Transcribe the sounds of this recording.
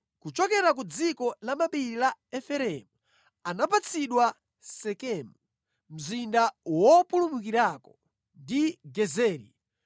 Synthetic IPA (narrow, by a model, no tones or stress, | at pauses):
kut͡ʃɔkɛɾak̬ud͡zikɔlamaɓiɾilaɛfɛɾɛmu | anapat͡sʰiɗwa | sɛkɛmu | m̩zindawɔpulumukiɾakɔ | ndiɡɛzɛːɾḭ